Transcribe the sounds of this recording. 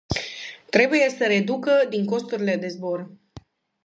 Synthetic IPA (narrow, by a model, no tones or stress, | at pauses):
t̪ɾe̞buje̞səɾe̞d̪ukəd̪iŋko̞st̪uɾile̞d̪e̞zbo̞r